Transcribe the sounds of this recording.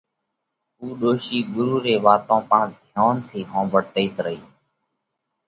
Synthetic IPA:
uːɗoːʃiːɠʊɾuːɾeːʋaːt̪õːpãːd̪ʱjaːnt̪ʰiːɦõːbʱəɽt̪əiːt̪ɾəɦiː

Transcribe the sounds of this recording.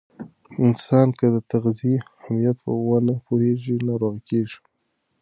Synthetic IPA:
ɪnsɑnkəd̪ət̪aɣziehamijat̪̚pə̰wanapoheʐinɑɾoɣakeʐi̥

